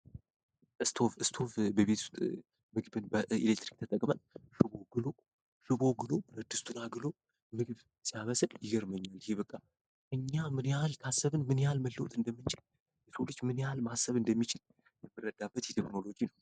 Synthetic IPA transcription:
ʔɨst̪ʰofɨst̪ʰo̞fbəβet̪ʰu̥st̪ʼ | mɨɡbɨnbəḭlek̚t̪ɾi̥k̚t̪ʰət̪ʼəkʼmənʃɨβo̞ɡɨlo | ʃɨβo̞ɡɨlo̞bɨɾəd̪ɨst̪ʰunaɡɨlo̞ | mɨɡɨβ | sijaməsəljɪɡəɾməɲːalɪheβəkʼːa | ʔɨɲːamɨnjalt̪ʰasːəβɨnmɨnjalməlːəwt̪ʼɨnd̪əmːɨnt͡ʃʼɪl | jɛsolːɨt͡ʃːmɨnjalmasːəβɨnd̪əmːit͡ʃʰɪl | jɛmːɨrːəd̪abːət̪jɛt̪ʰekno̞lo̞d͡ʒinəw

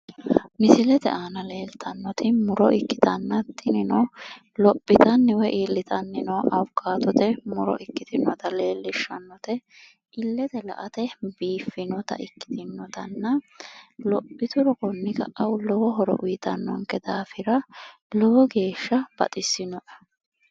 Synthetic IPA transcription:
mɪsɪlɛt̪ɛ̰ʔaːnɐle̞ːlt̪ʰɐnːɔt̪ʰɪmʊɾɔʔɪkːɪ̥t̪ɐnːɐt̪ʰːɪnɪnɔ | lɔpʼːɪt̪ɐnːɪwɛʔilːɪt̪ʰɐnːɪnɔɐwkːaːt̪ɔt̪ɛmʊɾɔ̰ʔɪkːɪt̪ɪnɔt̪ɐle̞ːlːɪʃːɐnːɔt̪ɛ | ʔɪlːɛt̪ɛlɐ̰ʔɐt̪ɛbiːfːɪnɔt̪ɐ̰ʔɪkːɪ̥t̪ɪnːɔt̪ɐnːɐ | lɔpʼːɪt̪ʊɾɔkɔnːɪkɐʔɐwlɔwɔɦɔɾɔ̰ʔʊjɪt̪ɐnːɔ̰ŋkːɛd̪aːfɪɾɐlɔwɔɡe̞ːʃːɐb̥ɐ̰t̪ʼɪsːɪnɔʔɐ̥

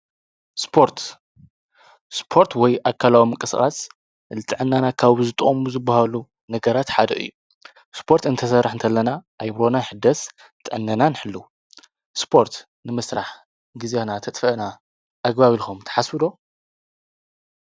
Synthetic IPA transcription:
spʰo̞ɾt̪ | spʰo̞ɾt̪wɔjʔakʰːalawimɨkʼɨsχʼas | lɨt̪ʼɨʕɨnːanakʰaβzɨt̪ʼχʼomuzɨbːahalu | nɐɡɐɾat̪ħad̪ɐ̰ʔɨ̰jːu | spʰo̞ɾt̪ɨnt̪ʰɐsɐɾːaħɨnt̪ʰɐlːɐnaʔajβɾo̞naħɨd̪ːɐs | t̪ʼɨʕɨnːɐnanɨħɨlːu | spʰo̞ɾt̪ | nɨmɨsɾaħ | ɡɨzanat̪ʰɐt̪ʼfɐʔna | ʔaɡbaβilxomt̪ʰɐ̥ħaswɨd̪o̞

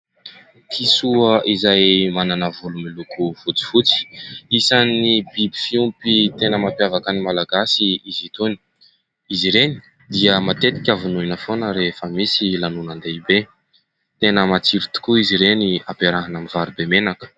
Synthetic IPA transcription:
t̪ʰisuəʔizajmananəvulumilukufut͡si̥fut͡si̥isanibibi̥fiumpit̪enəmapjavakanimalaɡasiizit̪oni̥ | iziɾeni̥ | d̪iəmat̪et̪i̥kʲavununəfonəɾefəmisilanunand̪eibe | t̪enəmat͡siɾit̪u̥kuiziɾeniapeɾaɦanamivaɾubemenakə̥

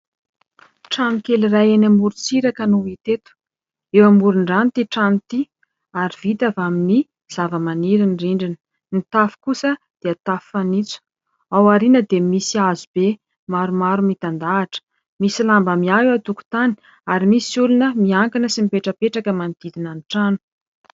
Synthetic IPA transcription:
ʈ͡ʂanikelirajenamuɾut͡siɾakənuit̪et̪u̥ | ewamuɾuɳɖ͡ʐant̪iʈ͡ʂanit̪i | aɾiv̥it̪avamini | z̥avəmaniɾinriɳɖ͡ʐinə̥ | nit̪afi̥kusə | d̪̥eat̪affanit͡su̥ | awaɾinəd̪emisiazube | maɾumaɾumit̪and̪aːʈ͡ʂə̥ | misilambamiaɦewat̪uku̥t̪ani̥ | aɾimisulunəmiaŋkanəsimipeʈ͡ʂəpeʈ͡ʂakəmand̪̥id̪inaniʈ͡ʂanu̥

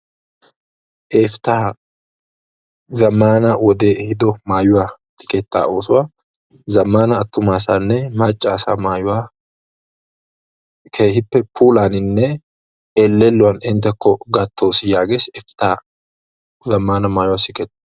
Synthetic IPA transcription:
ʔeːft̪aː | zɐmːaːnɐwɔd̪e̞ːʔhɪd̪ɔmaːjʊwaːsɪ̥kɛt̪ːa̰ːʔo̞ːsʊwaː | zɐmːaːnɐːt̪ːʊmaːsanːɛmat͡ʃʼːaːsamaːjʊwaː | kʰeːhɪpːɛpʰuːlaːnɪnːɛ | ɛlːɛlːʊwɐnɛnt̪ɐkʰːɔɡɐt̪ʰːo̞ːsɪjaːɡesɛft̪aː | zɐmːaːnɐmaːjʊwasɪkɛt̪ː

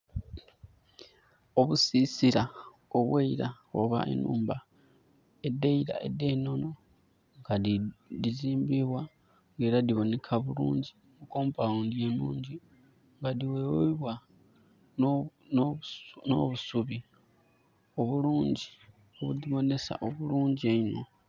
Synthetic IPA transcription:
o̞βusisiɾa | oβweiɾa | o̰βa̰ʔḛnṵːmba | edeiɾa̰ḛdeno̞no̞ | ŋɡadiziːmbiβwa | ɡeɾadiβo̞ne̞kʰaβuɾṵːɲɟi | βukoːmpaundjenuːɲɟi | ŋɡadiweweiβwa | nonono̰βusuβi | oβuluːɲɟi | oβudiβo̞nesa̰ʔoβuɾuːɲɟieino

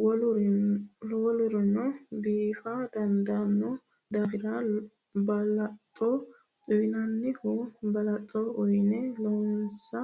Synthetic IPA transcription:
wɔlʊɾɛloːlʊɾɔnɔbiːfad̪ɐnd̪ɐnːɔ | d̪aːfɪɾa | bɐlɐt̪ʼːɔ | t͡sʼʊjnɐnːɪkɔbɐlɐt̪ʼːɔɔjnɛlɔnsɐ

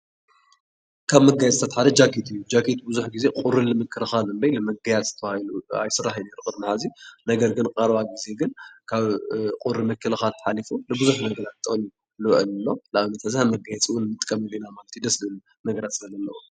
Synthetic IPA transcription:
kʰaβmɐɡajɛt͡sʼt̪ʰat̪ħad̪ɐd͡ʒakʰit̪ʰɨjːud͡ʒakʰit̪buzuħɡize̞kʼuɾɨnlɨmɨkʰːɨlɨxalɨmbɐjlɨmɐɡajat͡sʼzɨ̥t̪ʰɐβailua̰jsɨrːaħneɾukʼɨɾnɨħazinɐɡɐɾɡɨnqʼɐɾβaɡize̞ɡɨnkʰaβqʼuɾɨmɨkʰːɨlɐxalt̪ʰɐ̥ħalifulɨbɨuzuħnɐɡɐɾat̪̚t̪ʼːɨni | lɨʔɨlɨlːo̞laβɨnɐt̪ʰazhamɐɡajɛt͡sʼwʊnmɨt̪ʼkʼɐmɨlinamalɐt̪ʰid̪ɐslɨɨl | nɐɡɐɾat̪sɨlɐlːɐlːɐu

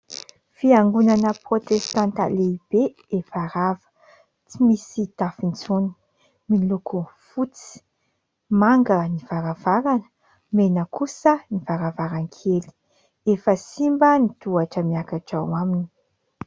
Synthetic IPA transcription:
fiaŋɡunanəprot̪est̪ãnt̪a̰leib̥e | efaɾavə̥ | t͡simisit̪afint͡suni | milukʰufut͡si̥ | maŋɡəniv̥aɾavaɾanə̥ | menəkusənivaɾavaɾaŋkʰeli̥ | efəsimbənit̪uaʈ͡ʂəmiakaʈ͡ʂawamini̥

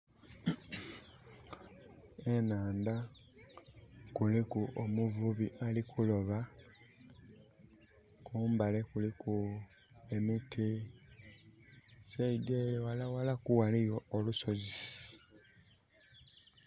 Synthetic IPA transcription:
e̞naːnd̪a | kulikuʔomuvuβiʔalikʰulo̞βa | kuːmbale̞kulikʰu | emitʰi | seideːlewalawalakuwalijoːluso̞zi

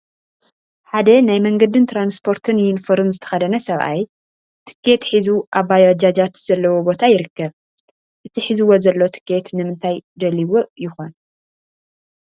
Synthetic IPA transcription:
ħad̪ɐnajmɐŋɡɐd̪ɨnt̪ʰɾanspʰo̞ɾt̪ʰɨnjɪnfoɾɨmzɨt̪ʰɐ̥xɐd̪ɐnɐsɐβʔa̰j | t̪ʰɨ̥kʰːe̞t̪ħizuʔaβajod͡ʒad͡ʒat̪z̥ɐlːɐwobo̞t̪ʰajɪɾɨkːɐβ | ʔɨt̪ʰiħizɨwo̞zɐlːot̪ʰɨ̥kʰːe̞t̪nɨmɨnt̪ʰajd̪ɐliwoʔjɪxo̞n

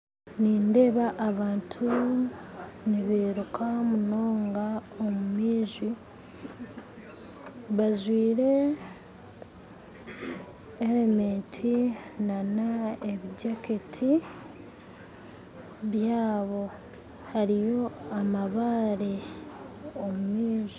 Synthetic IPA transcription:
niːnde̞ːβaʔːβaːntʰu | niβeːɾukʰamuno̞ːŋɡaomumiːʒi | βaʒwiːɾe̞ | eɾemeːntʰinanaeβiɟaketʰi | βjaːβo̞ | haɾijo̞amaβaːɾi | omumiːʒi

